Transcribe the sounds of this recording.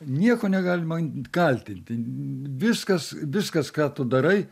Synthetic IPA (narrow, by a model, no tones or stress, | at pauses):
nʲiɛkoːnʲɛɡɑːlʲɪmɐɪnkɐlʲt̪ʲɪnʲt̪ʲɪʋʲɪskɐsʋʲɪskɐskɑːt̪ʊd̪ɐɾɐɪ